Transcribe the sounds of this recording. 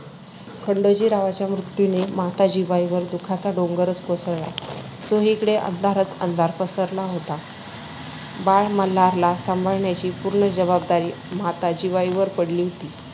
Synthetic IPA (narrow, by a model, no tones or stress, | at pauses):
kʰəɳɖod͡ʑiːɾaʋat͡ɕjamɾut̪junemat̪ad͡ʑiːʋaiʋəɾd̪ukʰat͡saɖoŋɡəɾət͡skosəɭla̰ | t͡soɦikəɽeʔə̰nd̪ʱaɾət͡sə̰nd̪ʱaɾpəsəɾlaɦot̪a | baɭmalaɾlasambʱəɭɳjat͡ɕiːpuɾɳəd͡ʑəβabd̪aɾiː | mat̪ad͡ʑiʋaiʋəɾpəɽliːɦot̪iː